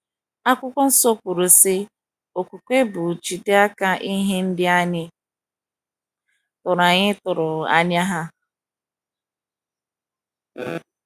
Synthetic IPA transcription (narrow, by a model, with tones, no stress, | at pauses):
a˦kʷʊ˦kʷʊ˦n̩˦so˦kʷu˨ɾʊ˨sɪ˦ | o˨ku˨kʷe˦bʊ˨t͡ʃi˨de˦a˦ka˦ʔi˦ɦe˦n̩˦dɪ˦a˦ɲɪ˦ | tʊ˨ɾa˨ɲɪ˦tʊ˨ɾʊ˨a̰˦ɲ˦a˦ɦa˦